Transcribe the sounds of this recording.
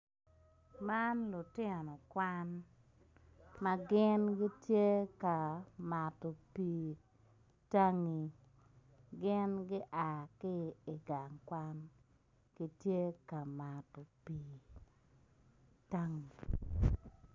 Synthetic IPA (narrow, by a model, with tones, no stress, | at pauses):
ma˦nlʊ˨tɪ˦˨nɔ˨kwa˦n | mɐ˦ɡɪ˦nɡɪ˦tje˦ka˨ma˨tɔ˨piː˨ | ta˦ŋi˨ | ɡɪ˦nɡɪ˦ʔa˨kɪ˦ɪ˨ɡa˨ŋkwa˦n | ɡ̥i˦tje˦ka˨ma˨tɔ˨piː˨ | ta˦ŋi˨